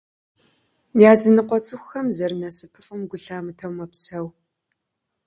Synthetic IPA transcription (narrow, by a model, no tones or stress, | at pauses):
jaːzɨnɨqʷɔt͡sʼɨxʷxɐmzɐrmasɨpʰɨfʼɨmɡʷʊɬaːmɨtʰɐwmɐpsɐw